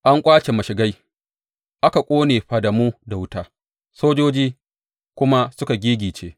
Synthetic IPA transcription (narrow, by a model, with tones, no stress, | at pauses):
ʔa˦ŋkʷʼaː˦t͡ʃe˨mɐ˨ʃɪ˨ɡa˦j | ʔa˦ka˨kʷʼoː˦neː˨ɸa˨da˨muː˦da˨wʊ˦taː˦ | soː˦d͡ʒoː˦d͡ʒiː˦ | kʷʊ˦ma˦sʊ˦ka˨ɡʲiː˦ɡʲiː˨t͡ʃeː˦